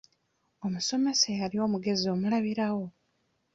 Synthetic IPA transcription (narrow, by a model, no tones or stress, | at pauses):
o̞muso̞me̞sejalio̞muɡe̞zio̞mulaβiɾawo̞